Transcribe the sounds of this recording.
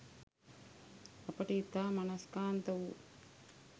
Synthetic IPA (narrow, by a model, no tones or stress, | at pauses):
ɐpːɐʈit̪ːaːmɐnɐskaːnt̪ɐwu